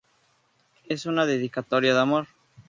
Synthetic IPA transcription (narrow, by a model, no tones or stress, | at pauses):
esunaðeð̞ikat̪oɾjaðamoɾ